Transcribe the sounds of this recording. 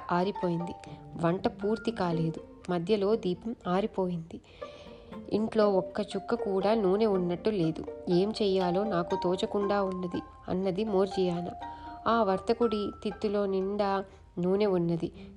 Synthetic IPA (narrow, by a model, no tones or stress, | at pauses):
aːɾipo̞ːjind̪iʋɐɳʈɐpuːɾt̪ikaːle̞ːd̪u | mɐd̪ʱjɐlo̞ːd̪iːpɐmaːɾipo̞ːjind̪i | ḭɳʈlo̞ːɔkːɐt͡ʃukːɐkuːɽaːnuːne̞unːɐʈːule̞ːd̪ue̞ːmt͡ʃɛːjaːlo̞ːnaːkut̪oːt͡ʃɐkuɳɖaːunːɐd̪i | ɐ̰nːɐd̪imoːɾd͡ʒijaːnɐ̰aːʋɐɾt̪ɐkuɽit̪it̪ːulo̞ːniɳɖaː | nuːne̞unːɐd̪i